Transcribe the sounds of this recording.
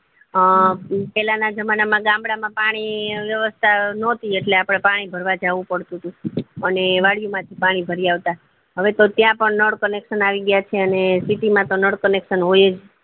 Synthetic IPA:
pɛlanad͡ʒəmanamãɡãmbɽamãpaɽ̃iʋjəʋəst̪ʰanɔt̪ieʈleapɽ̃epaɽ̃ibʱəɾʋad͡ʒaʋũpəɽt̪ũt̪ũəneʋaɽijumãt̪ʰipaɽ̃ibʱəɾiaʋt̪a | ɦəʋet̪ot̪jãpəɳnəɽkənekʃənaʋiɡəjat͡ʃʰeənesiʈimãt̪onəɽkənekʃənɦojed͡ʒ

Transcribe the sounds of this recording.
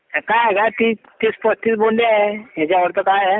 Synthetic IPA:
kaɦɛɡat̪i | t̪espəst̪ʰit̪boɳɖeaɦeɦat͡ɕaʋəɾt̪əkaɦɛ

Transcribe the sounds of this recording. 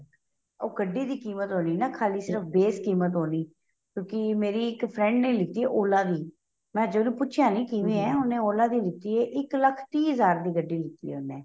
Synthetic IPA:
oːɡəɖːiːd̪iːkiːmət̪ɦoːniːnaːkʰaːliːsɪɾəfbeːskiːmət̪̬ɦoːniː | kjõːkɪmeːɾiːɪkpʰɾɛ̃ːɳɖnẽːlɪt̪iːɛːʔoːlaːd̪iː | mɛ̃ːd͡ʒenũːpʊːʃʰjãːnĩːkiʋẽːɛːɦʊnːẽːoːlaːd̪iːlɪt̪iːɛːʔɪkləkʰt̪iːɦəzaːɾd̪iːɡəɖːiːlɪt̪ːḭːɛːʊnɛ̃ː

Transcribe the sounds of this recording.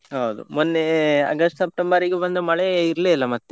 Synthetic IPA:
ɦɐwd̪ṵmonːeɐ̰ɡɐsʈsɐp̚ʈembɐɾiɡebɐnd̪umɐɭeiɾleɐlːɐmɐt̪ːe

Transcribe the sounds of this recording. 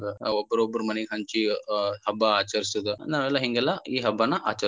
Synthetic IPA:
ɡɐobːɐɾobːɐɾumɐneɡeɦɐɲt͡ʃihɐbːɐaːt͡ʃɐɾisud̪unaːʋɛlːɐɦiŋɡɛlːɐiːɦɐbːɐnːɐʔa̰ːt͡ʃɐ

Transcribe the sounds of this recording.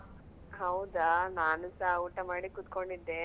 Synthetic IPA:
hɐwd̪anaːnɐsauːʈɐmaːɽikut̪koɳɖid̪ːe

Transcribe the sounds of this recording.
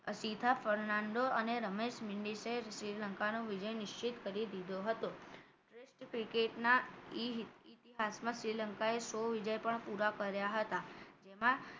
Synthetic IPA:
sit̪ʰafəɾnaɳɖoəneɾəmeʃmɪɳɖiseʃɾiləŋkanoʋid͡ʒəjnɪʃt͡ʃit̪kəɾid̪id̪ʱoɦət̪o | ʈɾesʈkɾikeʈnaiit̪iɦasmãʃɾiləŋkaesoʋid͡ʒəjpəɳpuɾakəɾjaɦət̪ad͡ʒemã

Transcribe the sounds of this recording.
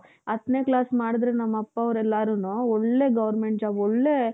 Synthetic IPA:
ɐt̪neːklaːsmaːɽid̪ɾenɐmːɐpːɐɐʋɾɛlːaːɾuːnuːɔɭːeːɡɐʋɐɾmeɳʈd͡ʒaːbɔɭːeː

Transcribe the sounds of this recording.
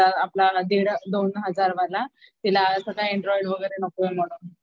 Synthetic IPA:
aːplad̪iɽd̪onɦəd͡zaɾʋəlat̪ilasəɡajeɳɖɾɔiɖʋəɡəjɾenəkoem̤oɽon

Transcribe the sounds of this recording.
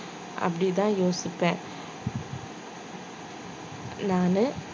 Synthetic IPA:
ʔɐ̰pːɐɽit̪ãːjoːsɪpːẽː | naːnɯ

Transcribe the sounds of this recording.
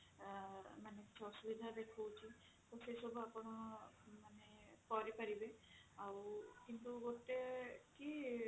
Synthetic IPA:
maneki̥t͡ʃʰɔsubid̪ʱad̪ekʰɔwt͡ʃʰi | t̪ɔsesɔbʱuapɔɽ̃ɔmanekɔɾipaɾibeawkint̪uɡot̪eki

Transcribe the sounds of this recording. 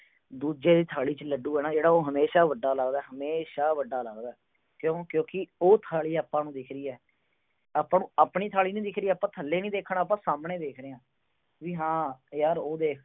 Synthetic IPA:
d̪uːd͡ʒeːd̪iːt̪ʰaːɭiːt͡ʃələɖuːɛːnaːd͡ʒeːɽaːoːɦəmeːʃaːʋəɖːaːlaːɡd̪aːɦəmeːʃaːʋəɖːaːlaːɡd̪aːɛ | kjõːkjõːkɪoːt̪ʰaːɭiːaːpːãːnũːd̪ɪkʰɾiːɛː | aːpːãːnũːaːpɳiːt̪ʰaːɭiːnĩːd̪ɪkʰɾiːɛːaːpːãːt̪ʰəlːeːnĩːd̪eːkʰːnaːpãːsaːmɳeːd̪eːkʰɾeːãː | ʋiːɦãːjaːɾoːd̪eːkʰ

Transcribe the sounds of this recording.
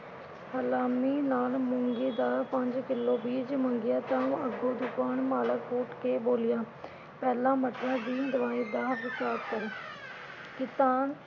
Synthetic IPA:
həlaːmiːnaːlmʊŋɡeːd̪aːɾpəɲd͡ʒkɪlːoːbiːd͡ʒməŋɡɪjaːt̪ãːəɡːoːd̪ʊkaːnmaːləkɦoːʈkeːboːlɪjaː | pɛːlãːməʈɾãːd̪iːd̪əʋaːiːd̪aːʋɪt͡ʃaːɾkəɾː | kɪt̪aːn

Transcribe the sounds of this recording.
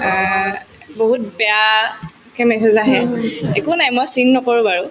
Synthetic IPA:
boɦut̚bɛa | kɛmɛsɛzaɦɛekʊnajmɔjsinːɔkɔɹʊ̃baɹʊ

